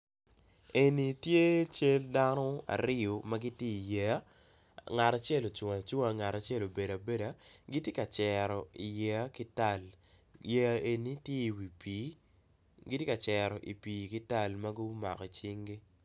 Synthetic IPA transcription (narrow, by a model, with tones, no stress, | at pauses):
e˨ni˨tje˦t͡ʃe˦lda˦nɔ˦a̰˨ɾɪ˦o˨ma˦ɡi˦tje˦i˨jɛ˦a˦ | ŋa˨ta˨t͡ʃe˦lo˨t͡ʃʊ˨a˨t͡ʃu˦ŋa˨ŋa˨ɾa˨t͡ʃe˦lo˨be˨da˨be˦da˨ɡi˦tje˦ka˨t͡ʃɛ˨ɾɔ˨i˨jɛ˨˦kɪ˦ta˦˨l | jɛ˦˨e˨ni˦tje˦˨wi˨pi˨˦ | ɡɪ˦tje˦ka˨t͡ʃɛ˨ɾɔ˨ʔi˨piː˨kɪ˦ta˦˨lma˦ɡʊ˦ma̰˨kɔ˨t͡ʃi˦ŋɡi˦